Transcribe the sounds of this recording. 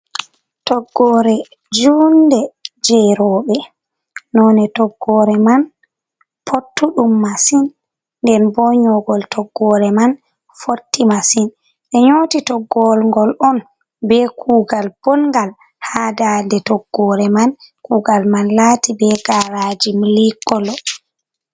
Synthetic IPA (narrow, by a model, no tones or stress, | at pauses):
tɔɡːɔɾɛ | d͡ʒuːndɛd͡ʒɛɾɔːɓɛ | nɔnɛtɔɡːɔːɾɛman | pʰotʰːuɗumːasin | nːdɛnbɔɲɔɡɔltʰɔɡːɔɾɛman | fotːimasin | ɗɛɲoːtitɔɡːɔlŋɡɔlɔn | bɛkʰuːɡalb̥ɔnŋɡal | hadadɛtɔɡːɔɾɛmankuːɡalmanlaːtibɛɡaɾad͡ʒimlikːɔlɔ